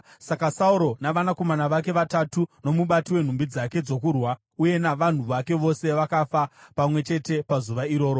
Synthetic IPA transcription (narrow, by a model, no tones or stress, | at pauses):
sakasauɾo̞naʋanako̞manaʋake̞ʋatatuno̞muɓatiwen̤umbid͡zake̞d͡zo̞kurwa | uje̞naʋan̤uʋake̞ʋo̞se̞ʋakafapamwe̞t͡ʃe̞te̞pazuʋaiɾo̞ːɾo